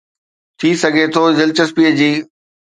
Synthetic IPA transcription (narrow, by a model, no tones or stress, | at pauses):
t̪ʰiːsɐɡʱet̪ʰoːzɪlt͡ɕəspiːəd͡ʑiː